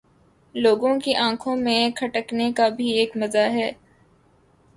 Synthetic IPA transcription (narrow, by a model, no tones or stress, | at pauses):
loːɡõkiʔãːkʰõmẽkʰɐʈəknekabʱieːkmɐzaɦɛː